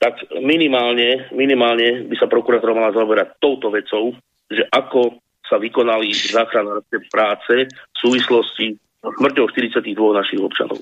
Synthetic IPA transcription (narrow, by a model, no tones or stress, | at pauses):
t̪akminimaːlɲɛminimaːlɲɛbisapɾɔkuɾaːt̪ɔɾamalazaɔbɛɾac̚t̪ɔʊt̪ɔʋɛt͡sɔʊ | ʒɛʔakɔ | saʋikɔnalizaːxɾanaɾɔskɛpɾaːt͡sɛfsuːʋislɔsci | smr̩cɔʊʃt̪iɾit͡sɪaciɣd̪ʋɔɣnaʃiɣɔpt͡ʃa̰nɔ̰ʊ